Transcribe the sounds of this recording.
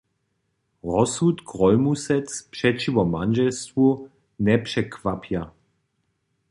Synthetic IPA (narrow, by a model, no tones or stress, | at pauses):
ʁɔsut̪kʁɔlmusɛt͡spʂɛt͡ʃivɔmanʒɛlstvu | nɛpʂɛkʰv̥apʰja